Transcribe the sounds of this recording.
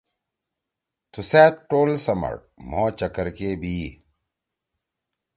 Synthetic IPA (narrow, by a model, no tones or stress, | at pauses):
t̪ʰuseːt̪̚ʈoːlsɐmɐ̰ɽ̚ | mõːt͡ɕɐkɐɾkeːbʱiː